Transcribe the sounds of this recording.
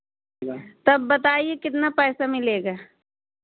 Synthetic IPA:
t̪ɐbːɐt̪aːiekɪt̪napɛːsamɪleːɡaː

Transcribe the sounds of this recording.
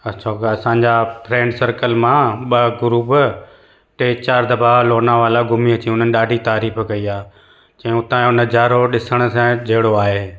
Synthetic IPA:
ɐʃʰaːkɐsãːɲd͡ʑapɾɛ̃ːɳɖsɐɾkəlmãɓɐɡʊɾuːb | ʈeːt͡ɕaːɾd̪ɐbaːʋloːnaʋaːlaɡʊmiɐt͡ɕĩʊn̤ənɪ̆ɗaːɖʱit̪aːɾiːfkɐiaː | t͡ɕɐ̃ːʊt̪ãʊnə̆d͡ʑaːɾoɗɪsəɽ̃ʊ̆sãd͡ʑʱɐɦɪɽoaːɦeː

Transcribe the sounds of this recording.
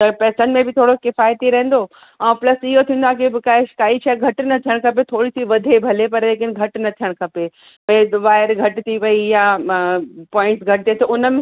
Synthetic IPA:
t̪ɐpɛːsənmẽbɪt̪ʰoːɽokɪfaːjt̪iɾɐ̃ɦɪ̃n̆d̪o | ɛ̃ːplɐsiɦot̪ʰĩːn̆d̪oaːkibɪkaeʃɪ̥kaːit͡ʃʰaɡʱɐʈnɐt̪ʰijəɽ̃kʰɐp̬et̪ʰoːɽisiʋɐd̪ʱebʱɐlepɐɾleːk̬ɪnɡʱɐʈnɐt̪ʰijəɽ̃kʰɐpe | pɐeʋaːɪɾɡʱɐʈt̪ʰiʋɐija | pɔ̃ːɪ̃ɳʈsɡʱɐʈɪt̪et̪oʊnəm

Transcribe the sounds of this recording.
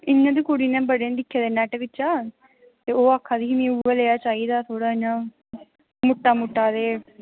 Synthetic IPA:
ɪɲːãːd̪iːkoːɽiːnẽːbəɽeːd̪ɪkʰːeːd̪eːnɛːʈʋɪt͡ʃːaː | t̪eːoːaːkʰːaːd̪iːimĩuːʋeleːjaːt͡ʃaːiːd̪aːt̪ʰoːɽaːɪnãː | mʊʈːaːmʊʈːaːd̪eː

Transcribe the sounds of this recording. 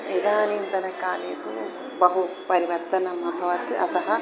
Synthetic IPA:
id̪aːniːnt̪ɐnɐkaːneːt̪u | bɐɦupɐɾiʋɐɾt̪ɐnɐmɐbʱɐʋɐt̪ɨʔɐt̪ɐɦɐ

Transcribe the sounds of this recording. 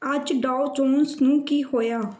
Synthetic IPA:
əd͡ʒɖaːʊd͡ʒoːnsnũːkiːhoːjaː

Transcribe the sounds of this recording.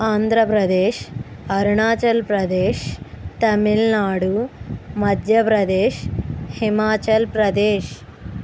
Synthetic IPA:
aːnd̪ʱɾɐpɾɐd̪eːʃ | ɐɾɳaːt͡ʃɐlpɾɐd̪eːʃ | t̪ɐmilnaːɽumɐd̪ʱjɐpɾɐd̪eːʃhimaːt͡ʃɐlpɾɐd̪eːʃ

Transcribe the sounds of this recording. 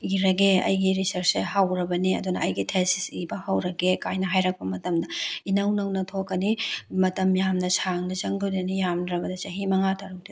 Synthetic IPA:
iɾɐɡeɐ̰jɡiɾisɐɾseɦawɾɐbɐniɐ̰dunɐɐjɡitʰesisibɐhawɾɐɡekajnɐɦajɾɐk̚pɐmɐtɐmdɐinɐwnɐwnɐtʰokːɐnimɐtɐmjamnɐsaŋnɐzɐŋɡudɐnijamdɾɐbɐdɐt͡ʃɐɦimɐŋatʰaɾɐk̚di

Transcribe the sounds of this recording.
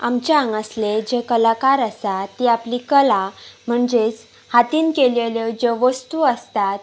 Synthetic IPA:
amt͡ɕeaŋɡəsled͡ʑekəlakaɾəsat̪ːiaplikəlam̤əɳd͡ʑet͡s | hat̪iːnkeljeljəd͡ʑeʋəst̪uəst̪at̪̚

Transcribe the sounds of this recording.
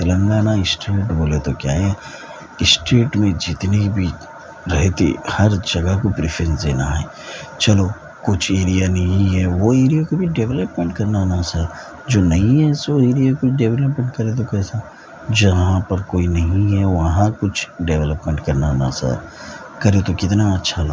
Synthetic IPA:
kɐlə̃ŋɡaːnaɪsʈeːʈboːlet̪okja̰ːɦɛ | ɪsʈeːʈmẽd͡ʒɪt̪nebʱi | ɾɐɦt̪ḛhɐɾd͡ʒɐɡəɦkopɾifɾẽnsd̪ḛːnaɦɛ̰ː | t͡ʃɐlo | kʊt͡ʃʰeːɾijanɐɦĩɦɛʋoeːɾijakobʱiɖeʋɛləpmẽɳʈkɐɾnanasa | d͡ʒoːnɐɦĩɦɛsoeːɾijakʊt͡ʃʰɖeːʋɛləpmẽɳʈkɐɾet̪̬okɛːsa | d͡ʒɐɦɦãpɐɾkoːinɐɦĩɦɛʋɐɦãkʊt͡ʃʰɖeːʋɛləpmẽɳʈkɐɾnana̰sa̰ | kɐɾet̪okɪt̪naɐtːʃʰalo

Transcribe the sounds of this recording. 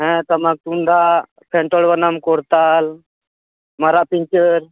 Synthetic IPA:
ɦɛ̃t̪əmak̚t̪und̪ʱa | pʰẽɳʈoɽʋənamkoɾt̪aːl | mɐɾapint͡ʃəɾ

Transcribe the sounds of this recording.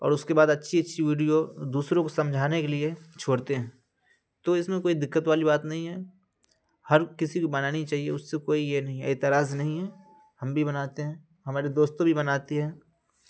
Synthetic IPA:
ɔ̰ːɾʊskebaːd̪ɐtːʃʰiɐtːʃʰiʋiːɖijod̪uːsɾõkosɐ̃md͡ʒʱaːnekeliet͡ʃʰoːɽt̪eɦɛ̃ː | t̪oɪsmẽkoːid̪ɪkːət̪ʋaːlibaːt̪nɐɦĩɦɛː | hɐɾkɪsikobɐnaːnit͡ʃaːɦiḛʊsːekoːijenɐɦĩɛ̰ːt̪ɪɾaːznɐɦĩɦɛː | hɐmbʱibɐnaːt̪eɦɛ̃ː | ɦɐmaːɾed̪oːst̪õbʱibɐnaːt̪iɦɛ̃ː

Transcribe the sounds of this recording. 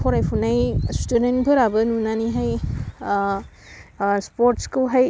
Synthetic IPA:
pʰɔɾajpʰunajstudentbʰʱɯɾabɯnunaniɦaj | spoɾtskɯwɦaj

